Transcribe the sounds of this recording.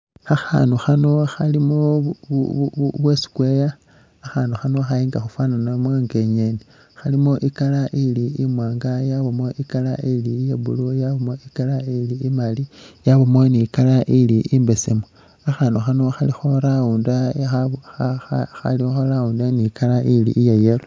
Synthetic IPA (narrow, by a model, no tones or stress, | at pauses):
axa̰nuxanoxalimo | βwesi̥kwejaː | xaːnduxano̞xaiːŋɡaxufwaːnanamwaŋɡeɲeni | xalimoʔikalaʔiliimwaːŋɡajaβomoʔikalaʔiliːjeβṵlojaβomoikalailiimalijaβomoniːkalaʔiliʔimbesemo | axaːnoxanoxalixoɾauːndaaaxa̰lixolaundaniːkalaʔilḭʔːjajelo